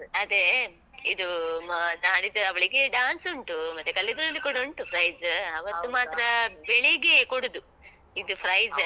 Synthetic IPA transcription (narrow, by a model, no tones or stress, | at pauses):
ɐd̪e | id̪u | aːɽid̪uɐʋɐɭiɡeɖaːnsuɳʈumɐt̪ːekɐlːid̪ɾɐlːikoɽuɳʈupʰɾɐjzɐʋɐt̪ːumaːt̪ɾɐbeɭiɡekoɽud̪u | id̪upʰɾɐjz